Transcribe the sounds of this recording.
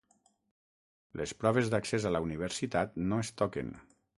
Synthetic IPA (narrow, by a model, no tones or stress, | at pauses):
lespɾɔβ̞ezðaksezalauniβ̞eɾsit̪at̪noest̪ɔkḛn